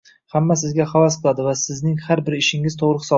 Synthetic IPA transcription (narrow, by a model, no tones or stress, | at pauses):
hamːasɪzɡʲaχavasqʰɨlˠad̪ɪvasɪznɪŋhaɾbɪɾɪʃɪŋɪz̥t̪ʰoʁɾɨχɨ̥sɒ